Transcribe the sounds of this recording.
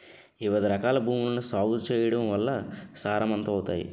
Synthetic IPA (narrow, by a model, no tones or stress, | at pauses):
iʋɐd̪iɾɐkaːlɐbʱuːmulɐnusaːwd̪t͡ʃɛːjɐɽɐmʋɐlːɐsaːɾɐmɐnt̪ɐːwt̪a̰ːjḭ